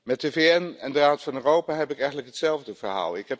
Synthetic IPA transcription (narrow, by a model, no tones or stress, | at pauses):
mɛtəveɛnɛndəraːtfɑnøːrowpaːɦɛpɪkɛjxχəntləkɦətsɛlˠvdəvəɹɦa̰ːlˠɪkɦɛp